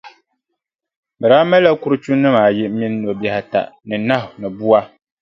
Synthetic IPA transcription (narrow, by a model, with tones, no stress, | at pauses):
bɨ˨ɾaː˦mɛ˦la˦ku˦ɾɨ˦t͡ʃu˦nːɨ˦maː˨jɪ˦mi˦nː˦o˨ba˦hɪ˨ta̰˨ʔnɨ˨na˦ɦʊ˨nɨ˨bu˦a˦